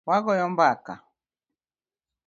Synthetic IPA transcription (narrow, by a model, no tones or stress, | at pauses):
waɣɔjɔmbaka̰